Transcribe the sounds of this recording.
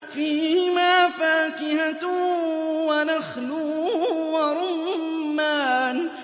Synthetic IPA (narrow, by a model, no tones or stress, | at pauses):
fiːhɪmaːfaːkɪhat̪ | wanaxluːwaɾˤʊmmːaːn